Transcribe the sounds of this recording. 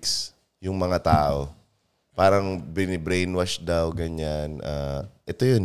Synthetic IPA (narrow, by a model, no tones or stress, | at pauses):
ks | jʊŋmɐŋat̪aːʔo̞ | paːɾɐŋbɪnɪbɾejnwaʃd̪awɡɐɲanʔaːʔɛt̪ojon